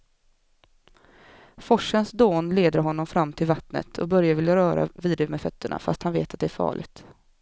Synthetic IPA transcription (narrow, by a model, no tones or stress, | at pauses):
fɔʂənsd̪oːnleːd̪əɾɦɔnːɔmfɾamːt̪ʰɪlvat̪nə̰t̪ʰɔkbœɾjavɪljaɾœːɾa̰viːd̪ɪmɛfœt̪ʰːəɳa̰fa̰st̪hanvḛːt̪at̪̚d̪ɛæɾfɑ̰ːɭʔɪɡt̪